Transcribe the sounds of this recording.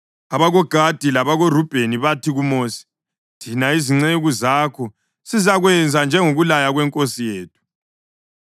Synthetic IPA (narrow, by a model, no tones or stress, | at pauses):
aβaɣɔɡ̥ʱad̥ʱilaβaɣorub̥ʱeniβatʰiɣumoːsi̥ | tʰinaiziŋ͡ǀeɣuzakʰɔ | sizaɣwɛnd͡zʱand͡ʒʱɛŋoɣulajaɣwɛŋkʼosijeːtʰu̥